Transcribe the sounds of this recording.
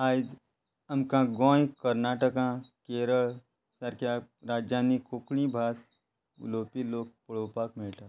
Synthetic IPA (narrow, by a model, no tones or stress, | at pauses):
aːid̪ | ɐmkãɡõːjkəɾnaːʈəkãkeːɾəɭ | səɾkaɾaːd͡ʒaːnikoːklĩbʱaːs | loːpiloːk̚pʊɭoːpaːkmeːʈaː